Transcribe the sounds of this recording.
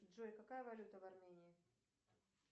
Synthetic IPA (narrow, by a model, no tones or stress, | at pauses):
ʐojkakajəvalʲut̪əvarmʲenʲiː